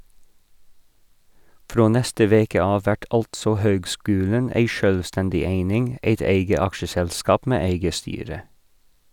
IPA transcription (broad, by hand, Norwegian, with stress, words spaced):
ˈfɾoː ˈnɛstə ˈʋeːkə ˈɑːʋ ˈʋæʈ ˈɑltsɔ ˈhøːɡˌskʉːlən ˈæɪ ˈʃœlˌstɛndɪ ˈeɪnɪŋ ˈeɪt ˈeɪɡə ˈɑkʃəˌsɛlˌskɑːp ˈmeː ˈæɪɡə ˈstyːɾə